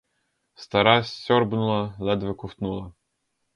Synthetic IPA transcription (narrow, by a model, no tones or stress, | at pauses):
st̪ɐɾɑsʲɔɾbnʊlˠɐlˠɛd̪ʋɪkʊwt̪nulˠɐ